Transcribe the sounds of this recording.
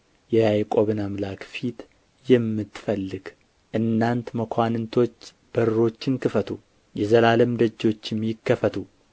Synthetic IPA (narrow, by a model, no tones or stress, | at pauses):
jɛjajkʼo̞βɨnamlakfit̪ | jɛmːɨt̪ːfəlːɨɡ̥ | ʔɨnːant̪məkʰʷanɨnt̪ʰo̞t͡ʃː | b̥əɾɾo̞t͡ʃːɪnkʰɨfət̪ʰu | jɛzəlaləmd̪əd͡ʒːo̞t͡ʃːɛmjɪkːəfət̪ʰu